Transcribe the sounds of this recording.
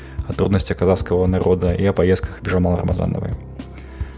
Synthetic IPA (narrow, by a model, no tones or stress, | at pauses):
ɐt̪ɾud̪nɐsʲt͡sʲɐkazaskɐvɐnaɾɔd̪ɐiɐpajɛst̪̚kʰɐxbʲiʐɐmalˠɐɾɐmaza̰nɐ̰vɨ̰j